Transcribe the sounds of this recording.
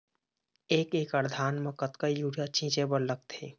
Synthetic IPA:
eːkeːkəɾd̪ʱaːnmɐkət̪kajuːɽijat͡ʃĩːt͡ʃebəɾlək̚t̪ḛː

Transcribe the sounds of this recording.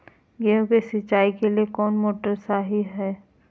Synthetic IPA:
ɡeõkesɪaːikeliekɔːnmoːʈəɾsaːɦiɦɛː

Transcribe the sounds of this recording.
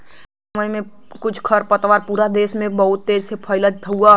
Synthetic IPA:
sməjmẽkʊt͡ʃʰkʰəɾpət̪ʋaːɾpuːɾad̪eːʃmẽbɐɦʊt̪ːeːd͡ʒsepʰəɪləd͡ʒ̚t̪ʰɐua

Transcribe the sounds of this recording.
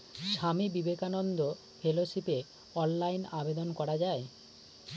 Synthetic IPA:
ʃamibibekanond̪o | fʰeloʃipe | ɔnlajnabed̪onkɔɾad͡ʑae

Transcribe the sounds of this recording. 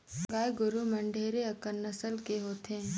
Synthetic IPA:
ɡaːjɡʊɾumɐɳɖʱeːɾeɐkənɐsəlkeɦoːt̪ẽː

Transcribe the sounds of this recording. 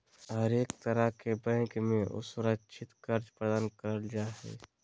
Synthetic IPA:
ɦəɾeːkt̪əɾəkebɛ̃ːkmẽʔʊ̰sʊɾəkʃʰɪt̪kɐɾd͡ʒpɾəd̪aːnkəɾəld͡ʒaːɦɛ̰ː

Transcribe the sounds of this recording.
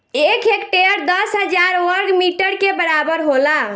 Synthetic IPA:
ekekʈeəɾd̪əsɦəd͡ʒaɾwəɾɡmiʈəɾkebəɾabəɾɦola

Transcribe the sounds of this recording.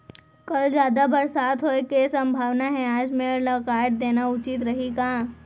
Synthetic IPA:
kɐld͡ʒjaːd̪abɐɾsaːt̪ɦoekesɐ̃mbʱaːʋnaɦɛ̃aːd͡ʒmẽlɐkaːəʈ̚d̪eːnaʊt͡ʃit̪ɾɐɦikaː

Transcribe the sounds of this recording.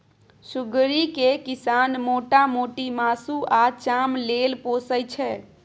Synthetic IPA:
suɡɾikekisanmoːʈamoːʈimasuat͡ʃamlelpoːsəjt͡ʃʰɛ

